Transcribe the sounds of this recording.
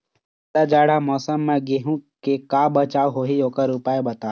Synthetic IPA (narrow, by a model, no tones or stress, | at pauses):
ɗ̪ad͡ʒaːɽamɔːsəmːẽɡeɦũkekaːbət͡ʃaːuɦoːɦiokəɾupaːebət̪aː